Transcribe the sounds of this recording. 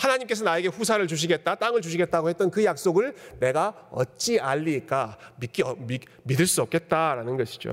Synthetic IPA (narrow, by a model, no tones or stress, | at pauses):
hanaɲimk͈e̞sʰʌnaeɡe̞ɸusʰaɾɯɭt͡ɕuɕ̬ʰiɡe̞t̚t͈at͈aŋɯɭt͡ɕuɕ̬ʰiɡe̞t̚t͈aɡohe̞t͈̚ʌnkɯjak̚s͈oɡɯɭne̞ɡa | ʌt̚t͡ɕ͈iaʎːik͈amik͈iʌmi | midɯɭs͈uʌp̚k͈e̞t̚t͈aɾanɯnɡʌɕʰi̥d͡ʑo̰